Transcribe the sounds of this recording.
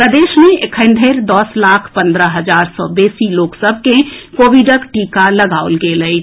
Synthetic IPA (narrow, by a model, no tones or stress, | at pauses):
pɾəd̪eːʃmeekʰə̃nd̪ʱeɾd̪ɔslaːkʰpə̃nd̪ɾəɦəd͡ʒaːɾsɔ̰beːsiloːksəbʱkẽkoːʋiɖəkʈiːkaləɡaːolɡeːləi